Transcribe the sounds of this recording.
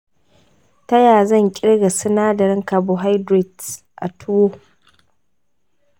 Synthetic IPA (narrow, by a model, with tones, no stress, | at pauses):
ta˦jaː˨zɐ˦˨ŋkʲʼɪ˦ɽɡa˨sɪ˦naː˦dɐ˨ɽɪ˦ŋkaː˨bo˨ɦa˦jdɾɪ˨d | ʔa̰˨tʰʊ˦wo˦